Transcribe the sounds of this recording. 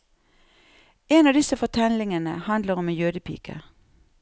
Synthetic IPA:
eːnɑːd̪ɪsəfɔt̪ʰɛlɪŋənə̰hɑnd̪ləʁɔmjøːd̪əpʰḭːkʰə̰

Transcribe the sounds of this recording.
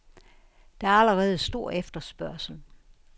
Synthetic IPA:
d̥eæɐæləʁɛːð̞̩ˠsd̥o̝ɐ̰efd̥ɐsb̥ɶɐ̰sl̩

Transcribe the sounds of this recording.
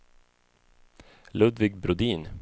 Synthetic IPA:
lɵd̪vɪɡ̚bɾʊd̪iːn

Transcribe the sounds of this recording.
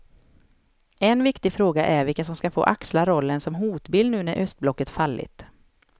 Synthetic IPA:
ɛnvɪkt̪ɪfɾoːɡaʔæɾvɪkːasɔmskafo̰ːʔakslaɾɔlːənsɔmɦuːt̪bɪlnʉ̟ːnæɾʔœst̪̚blɔkːət̪falːɪ̰t̪

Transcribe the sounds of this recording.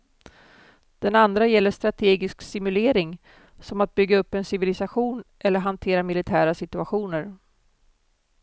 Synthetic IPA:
d̪̥ɛnand̪ɾajɛlːəʂt̪ɾat̪ʰeːɡɪsksɪmɵleːɾɪŋ | sɔmat̪̚bʏɡːaɵpːɛnsɪvɪlɪsaɧuːnʔɛlːəɾɦant̪ʰeːɾamɪlɪt̪ʰæːɾasɪt̪ɵaɧuːnəɾ

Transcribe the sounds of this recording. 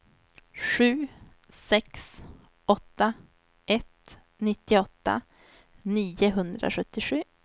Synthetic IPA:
ʂʉ̟ː | sɛks | ɔt̪ːa | ʔɛt̪ | nɪt̪ːɪɔt̪ːa̰ | niːəɦɵnd̪ɾʔa̰ɧɵt̪ːɪɧʉ̟ː

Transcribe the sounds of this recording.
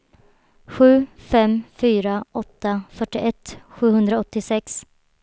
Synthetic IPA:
ɧʉ̟ːfɛmfyːɾaʔɔt̪ːafœʈːɪʔɛt̪ːɧʉ̟ːhɵnd̪ɾaɔt̪ːɪsɛks

